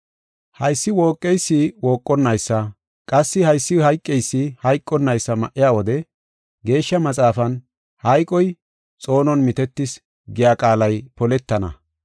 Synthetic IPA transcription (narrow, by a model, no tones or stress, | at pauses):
hɐjsːɪwoːkʼːɛjsːiwo̞ːkʼːɔnːɐjsːɐ | kʼɐsːɪhɐjsːɪhɐjkʼːɛjsːihɐjkʼːɔnːɐjsːɐmɐ̰ʔɪjaːwɔd̪ɛ | ɡe̞ːʃːɐmɐt͡sʼaːfɐn | hɐjkʼɔj | t͡sʼo̞ːnɔnmɪt̪ɛt̪ːɪs | ɡɪjaːkʼaːlɐjpɔlɛt̪ːɐnɐ̰